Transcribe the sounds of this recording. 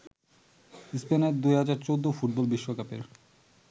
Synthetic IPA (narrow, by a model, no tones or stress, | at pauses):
ispeneɾd̪ujɦad͡ʑaɾt͡ɕowd̪ːofuʈ̚bolbiʃːokapḛɾ